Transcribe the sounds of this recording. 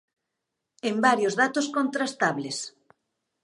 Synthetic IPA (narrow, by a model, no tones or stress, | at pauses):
embaɾjozðat̪oskont̪ɾast̪aβles